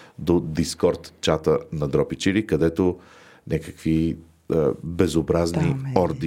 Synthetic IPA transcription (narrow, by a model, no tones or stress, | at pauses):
d̪od̪iskɔɾt̪t͡ʃat̪ənɐd̪ɾɔpit͡ʃiɾikɐd̪ɛt̪o | nʲʔakəkvi | bɛzobɾazniɔɾd̪i